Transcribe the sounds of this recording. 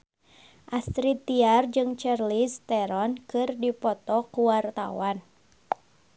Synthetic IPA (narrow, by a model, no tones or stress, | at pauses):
ʔast̪ɾit̪iard͡ʒɨŋt͡ʃarlist̪ɛɾɔnkɨrdipɔt̪ɔkuwart̪a̰wan